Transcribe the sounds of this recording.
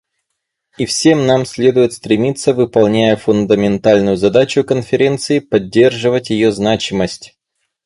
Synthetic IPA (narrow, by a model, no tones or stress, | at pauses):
ifsʲe̞mnamsʲlʲe̞d̪ʊjɪt̪st̪ɾʲɪmʲit̪sːəvɨpɐlˠnʲæjəfʊnd̪əmʲɪnt̪alʲnʊjʊzɐd̪at͡ɕʊkənfʲɪɾʲe̞nt̪sɨɪpɐdʲːe̞rʐɨvətʲjɪjoznat͡ɕɪməsʲtʲ